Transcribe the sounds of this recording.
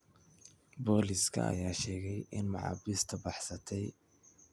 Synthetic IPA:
bɔːliskʰɐ̰ɐ̰jaːʃɛːɣɛjʔɪnmɑ̰ʕɑ̰bɪst̪ʰɐbɑħsɐt̪ʰɛj

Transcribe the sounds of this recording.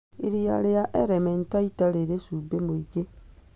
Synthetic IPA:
iɾia̰leaʔeɾementaitaleɾesubemuiɟe

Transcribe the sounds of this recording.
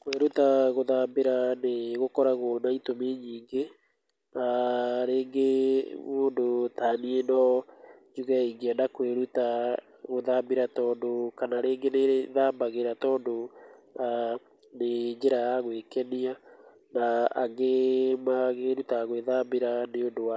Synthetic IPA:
kweɾutaɣoðambeɾaneɣokɔɾaɣonaitomeɲiːŋɡe | aɾeːŋɡemoːndotaːnienɔ | d͡ʒuɣɛiŋɡeanakweɾuta | ɣoðambeɾatɔːndokanaɾeːŋɡeneðaːmbaɣeɾatɔːndoa | ned͡ʑeɾajaɣwekɛnia | naaɣemaɣeɾutaɣweðambeɾaneondowa

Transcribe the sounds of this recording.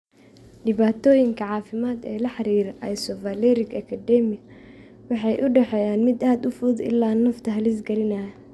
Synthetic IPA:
ɖɪβaːt̪ʰɔːjɪŋkʰɐʕɑːfɪmaːd̪ɛ̰ːlɐħɑɾiːɾʔɐjsɔvɐlɛɾɪkɐkʰɐd̪ɛmɪɐ | wɑħɑjʔʊɖɛħɛːjaːnmɪd̪aːd̪ʊfuːðɪ̰lːaːnɐft̪ʰɐɦɐlɪsɡɐlɪnɐː

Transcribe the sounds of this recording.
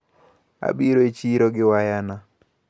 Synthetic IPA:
a̰biɾoet͡ʃiɾoɡɪwajana

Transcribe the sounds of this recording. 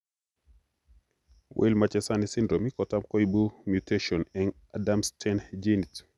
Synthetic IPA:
wʔḛlmat͡ʃɛsanisindɾomikɔtamkɔibumjutʰeʃɔnɛŋ | adamstʰɛnd͡ʒinit

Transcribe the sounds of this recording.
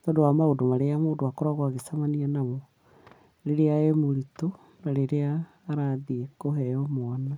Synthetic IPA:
tɔːdowamaodomaɾeamoːdoakɔɾaɣwaɣesamanianamo | ɾeɾeaemoɾito | naɾeɾeaː | ɾaðiekoɦɛɔmwana

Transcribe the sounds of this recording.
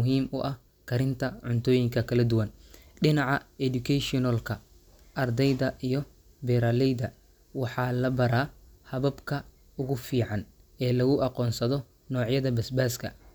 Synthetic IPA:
ɦiːmʔʊʔɐh | kʰɐɾɪnt̪ʰɐʕʊnt̪ʰɔːjɪŋkʰɐkʰɐlɐd̪ʊwɐnɖɪnɑʕɑɛd̪ʊkʰɛʃɔnɐlkʰɐ | ʔɐrd̪ɛjðɐʔijɞ | bɛɾaːlɛjðɐ | wɑħɑːlɐbɐɾaː | hɐβɐbkʰɐ | ʊɣʊfiːʕɑn | ɛːlɐɣʊʔɑqɔːnsɐðɔ | nɔːʕjɐðɐbɐsbaːskʰɐ̰

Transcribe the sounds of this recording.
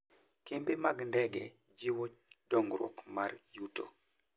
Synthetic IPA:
kembemaɡndɛɡɛ | d͡ʒiwot͡ʃd̥ɔŋɡɾwɔ̰kmarjuto̰

